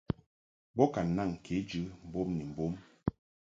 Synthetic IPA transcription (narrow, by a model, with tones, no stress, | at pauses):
bɔ˦ka˨n˨na˦˨ŋ˨kʰe˨˦d͡ʒɨ˨˦m̩˨bo˦mni˨m̩˨bo˦m